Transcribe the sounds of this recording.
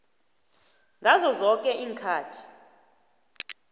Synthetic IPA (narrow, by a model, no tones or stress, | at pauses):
ŋɡʱazɔzɔkʼɛʔiːŋkʰaːtʰi̥